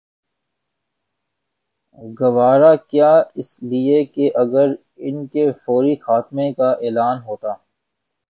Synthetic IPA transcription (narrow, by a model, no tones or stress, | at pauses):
ɡɐʋaːɾakjaːɪsliekeʔɐɡəɾ | ɪnkefoːɾixaːt̪mẽkaʔeːlaːnɦoːt̪aː